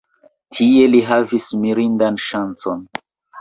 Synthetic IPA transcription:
tʰie̞liɦavismiɾindanʃant͡so̞n

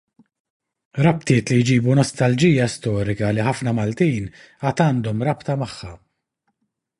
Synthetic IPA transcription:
ɾɐpt̪ɪːt̪lijd͡ʒiːbunɔst̪ɐld͡ʒijːɐst̪ɔːɾɪkɐliħɐfnɐmɐlt̪iːn | ɐːt̪ɐːnd̪ɔmɾɐpt̪ɐmɐħːɐ

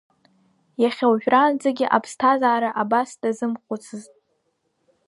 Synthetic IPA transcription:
jaχʲawʒᶣrand͡zaɡʲɪʔa̰pʰstʰazaːɾaʔabasd̥azɨmχʷʊt͡sʰɨztʼ

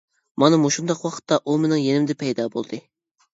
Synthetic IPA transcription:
mɑnɨmoʃund̪ɑqwɑqʰə̥t̪ːɑʔumenɪŋjenɪmd̪ɪpʰɛjd̪ɑbo̰lˠd̪ɨ

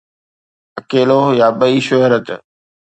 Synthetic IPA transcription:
əkeːlojaːɓəiːʃʊɦɾət̪

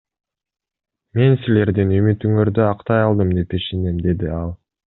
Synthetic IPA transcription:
me̞nsile̞ɾd̪inymyt̪yŋøɾd̪øɑqt̪ɑjɑlˠd̪ɯmd̪e̞peʃenemd̪e̞d̪iɑlˠ

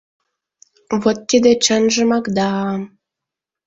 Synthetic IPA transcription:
vot̪ːid̪ĕt͡ɕə̆nʒə̆mɑkd̪ɑ

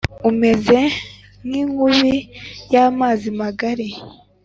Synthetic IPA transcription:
ume̞ze̞ | niːŋhuβijaːmaːzimaɡaɾi

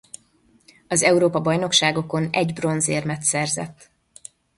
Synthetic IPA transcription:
ɒzɛuɾoːpɒbɒjno̞kʃaːɡo̞ko̞nɛɟbro̞nzeːrmɛt̪sɛrzɛ̰t̪ː

